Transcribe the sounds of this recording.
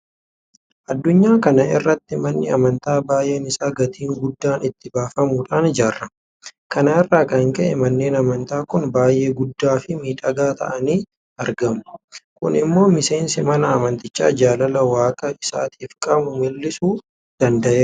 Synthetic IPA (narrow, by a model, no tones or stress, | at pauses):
ʔɐd̪ːʊɲːaːkɐnɐʔɪrːɐt̪ːɪmɐnːɪɐ̰mɐnt̪aːbaːje̞ːnɪsaːɡɐt̪ʰiːŋɡʊd̪ːaːnɪt̪ːɪbaːfɐmuːᶑaːnd͡ʒaːrːɐ | kɐnɐɪrːaːkɐŋkɛʔɛmɐnːe̞ːnɐmɐnt̪aːkʊnbaːjʔe̞ːɡʊd̪ːaːfɪmiːᶑɐɡaːt̪ʰɐ̰ʔɐniː | ɐɾɡɐmʊkʊ̰nɪmːo̞ːmɪse̞ːnsɪmɐnɐːmɐnt̪ɪt͡ʃːa̰ːd͡ʒaːlɐlɐwaːkʼɐɪsa̰ːt̪ʰiːfkʼɐmʊmɪlːɪsuː | d̪̥ɐnd̪ɐʔeː